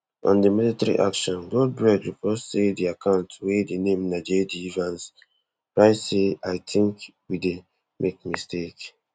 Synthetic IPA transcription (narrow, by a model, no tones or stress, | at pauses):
ʔɔ̰̃ndəmilitaɹḭʔa̰kʃɔ̃nɡɔd̚bɹɛdɹipɔssediakʰãʊ̃ntwedenẽmnaɪd͡ʒidiivãns | pɹaɪseaɪtʰĩŋkwide | mʔek̚mistek